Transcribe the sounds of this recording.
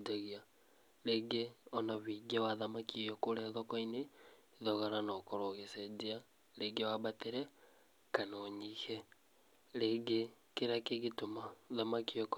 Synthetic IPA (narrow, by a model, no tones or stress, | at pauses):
aɣia | ɾeːɡeɔnaβiɡewaðamakijɔkoɾɛðɔkɔine | ðɔɣaɾanɔkɔɾoɣesɛd͡ʒea | ɾeːɡewabat̪eɾɛ | kanɔɲihɛ | ɾeːɡe | keɾakeɣetomaðamakiɔk